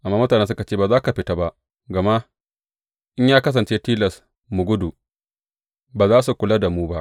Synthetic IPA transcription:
ʔa˨mːaː˦mʊ˦taː˨nɛ˦sʊ˦ka˨t͡ʃeː˦baː˨zaː˦ka˨ɸɪ˨ta˦ba˦ʔ | ɡɐ˨ma˦ | ʔɪ˦ɲjaː˦kɐ˦s̬ɐ˨nt͡ʃeː˦tiː˦lɐ˨s | mu˨ɡʷʊ˦du˨ | baː˨zaː˦su˨kʷʊ˨la˦da˨muː˦ba˦ʔ

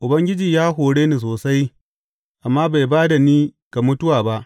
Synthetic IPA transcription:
ʔʊ˨bɐ˦ŋɡʲɪ˦d͡ʒiː˨jaː˦ɦoː˨ɽeː˦niː˨s̬oː˨sa˦j | ʔa˨mːaː˦ba˨jbaː˦da˨niː˦ka˨mʊ˦tʊ˦waː˨ba˦ʔ

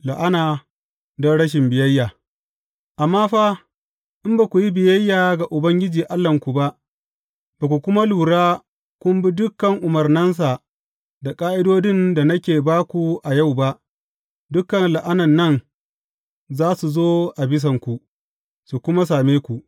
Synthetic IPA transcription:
la˨ʔa˦naː˨ | dɔ˦nɽɐ˦ʃ̬ɪ˨mbɪ˨jɐ˦jːaː˨ | ʔa˨mːaː˦ɸa˦ | ʔɪ˦mbaː˨kʷu˨ji˦bɪ˨jɐ˦jːaː˨ɡa˨ʔʊ˨bɐ˦ŋɡʲɪ˦d͡ʒiː˨ʔa˦lːɐ˨ŋkʷu˨ba˦ʔ | baː˨kʷu˨kʷʊ˦ma˦luː˨ɽaː˦ | kʷʊ˦mbi˦dʊ˦kːɐ˨ŋʔʊ˨mɐ˨rnɐ˦ns̬a˨ | da˨kʼaː˦ʔɪ˦doː˦dɪ˦nda˨nɐ˦kʲeː˨baː˦kʷu˨ʔa˨ja˦˨wba˦ʔ | dʊ˦kːɐ˨nla˨ʔa˦nɐ˨nːɐ˦˨n | zaː˦su˨zoː˦ʔa˨bɪ˦s̬ɐ˨ŋkʷu˨ | su˨kʷʊ˦ma˦s̬aː˨meː˦kʷu˨ʔ

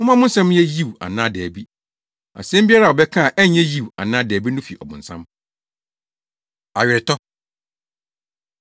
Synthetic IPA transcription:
mʊ̃˦mã˦mʊ̃˦n̩˦sɛ̃˦m˦jɛ˦ji˦wa̰˨nãː˦dɛ˨bi˦ | a̰˨sɛ̃˦m̩˦bi˦a˦ɾa˦˨wɔ˨bɛ˦kʰã˦˨ʔɛ˦˨ɲɛ̃˦ji˦˨wa̰˨nãː˦dɛː˨bi˦nʊ̃˦fi˨ɔ̰˨bʊ̰̃˨n̩˨sã̰˦m | a˨ɥɪ˨ɾɪ˨tʰɔ˦

